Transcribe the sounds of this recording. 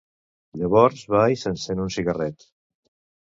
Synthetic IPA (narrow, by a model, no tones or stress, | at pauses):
ʎəβɔɾzβajsənsenunsiɣərɛt̪